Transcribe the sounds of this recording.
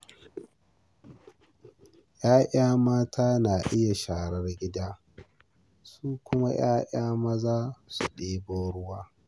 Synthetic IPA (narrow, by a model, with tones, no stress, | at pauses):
jʔaː˦ʔaː˦maː˦tʰaː˦naː˨ʔɪ˦ja˨ʃaː˨ɽɐ˦rɡʲɪ˦daː˦ | suː˦kʷʊ˦ma˦j̰aː˦ʔaː˦mɐ˦zaː˦su˨ɗeː˦boː˦ɽʊ˦waː˦